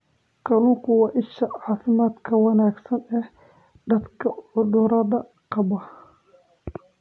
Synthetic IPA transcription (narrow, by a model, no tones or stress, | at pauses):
kʰɐlʊkʰʊwɑːʔɪʃɐʕɑːfɪmaːd̪kʰɐwɑnaːɡsɐnɛh | d̪ɐd̪kʰɐʕʊdʊɾɐðɐ | qɑβɐ